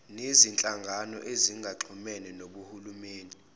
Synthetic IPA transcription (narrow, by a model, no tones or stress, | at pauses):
nezint͡ɬʼaŋɡʱanɔ̰ʔeziŋɡʱaǁʰumɛnɛnoɓuhulumeːni